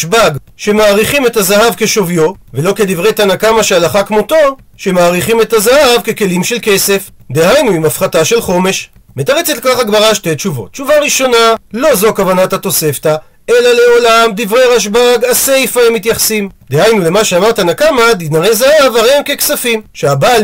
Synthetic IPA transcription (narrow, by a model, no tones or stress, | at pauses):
ʃbaɡ | ʃe̞maːʁiχime̞tazaɦavke̞ʃo̞vjo̞ve̞lo̞ke̞d̪ivʁe̞jt̪anakamaʃealaχakmo̞t̪o̞ | ʃe̞maːʁiχime̞t̪azahavke̞ke̞limʃe̞lke̞se̞fd̪e̞hajnuimafχataʃe̞lχo̞me̞ʃ | met̪aʁet͡setlkaχaɡbaʁaʃte̞tt͡ʃuvo̞̰t̚ːt͡ʃuvaʁiʃo̞nalo̞zo̞kavanat̪hat̪o̞se̞ft̪a | e̞lale̞o̞lamd̪ivʁejʁaʃ̬baɡase̞jfaemit̪jaχsimd̪ehajnule̞maʃeamaʁt̪anakamad̪inaʁejzahavaʁeamke̞ksafimʃeaba